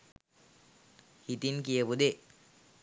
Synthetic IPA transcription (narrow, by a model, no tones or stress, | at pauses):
hit̪inkijəʋud̪e